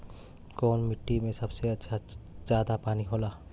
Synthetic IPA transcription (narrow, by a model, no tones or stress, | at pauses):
kɔːnmɪʈːimẽsɐbseɐtːʃʰazjaːd̪apaːniɦoːlaː